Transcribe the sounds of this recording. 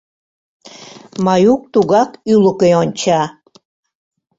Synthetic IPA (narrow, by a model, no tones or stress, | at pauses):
mɑjuk̚t̪uɣɑkyləkeonʲt͡ɕɑ